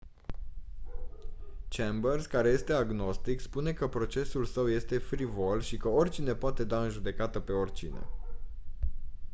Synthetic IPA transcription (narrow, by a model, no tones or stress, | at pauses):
t͡ʃembərskaɾe̞je̞st̪e̞aɡno̞st̪ikspune̞kəpɾo̞t͡ʃe̞sulsəwje̞st̪e̞fɾivo̞lʃikəo̞rʲt͡ʃine̞poat̪e̞d̪aɨnʒud̪e̞kat̪əpe̞o̞rʲt͡ʃine̞̰